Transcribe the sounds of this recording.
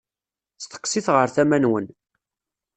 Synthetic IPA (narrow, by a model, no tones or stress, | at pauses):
θt̪ə̥qːsiθʁəɾθæmænwən